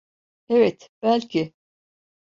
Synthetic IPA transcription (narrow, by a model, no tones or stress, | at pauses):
ɛvɛt̪b̥ælʲcʰɪ